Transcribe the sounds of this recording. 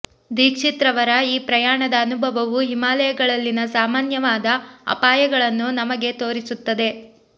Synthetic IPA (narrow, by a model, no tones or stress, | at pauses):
d̪iːkʂit̪ɾɐʋɐɾɐiːpɾɐjaːɳɐd̪ɐːnubʱɐʋɐʋuɦimaːlɐjɐɡɐɭɐlːinɐsaːmaːnjɐʋaːd̪ɐɐ̰paːjɐɡɐɭɐnːunɐmɐɡe̞t̪o̞ːɾisut̪ːɐd̪e̞